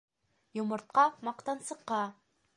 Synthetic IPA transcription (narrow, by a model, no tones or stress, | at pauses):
jomɤ̆ɾt̪̚qɑmɑqt̪ɑnsɤ̆qːɑ